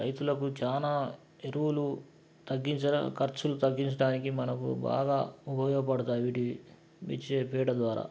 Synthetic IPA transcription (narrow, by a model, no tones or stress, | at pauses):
ɾɐ̰jt̪ulɐkut͡ʃaːnaː | eɾuwulu | t̪ɐɡːiɲt͡ʃɐ̰kɐɾt͡ʃulut̪ɐɡːiɲt͡ʃɐɽaːnikimɐnɐkṵba̰ːɡaːubʱɐjɔɡɐpɐɽɐt̪aːjʋiːʈi | ʋḭt͡ʃːepɛːʈɐd̪ʋaːɾa̰ː